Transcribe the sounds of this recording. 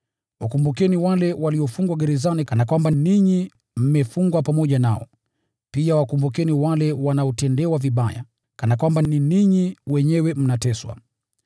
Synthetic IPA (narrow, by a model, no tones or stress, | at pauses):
wakumbukɛniwalɛwaliɔfuŋɡwaɡɛɾɛzanikanakwambaniɲi | m̩mɛfuŋɡwapamɔʄanaɔ | piawakumbukɛniwalɛwanaɔtɛndɛwaviɓaja̰ | kanakwambaniniɲiwɛɲɛwɛm̩natɛswa̰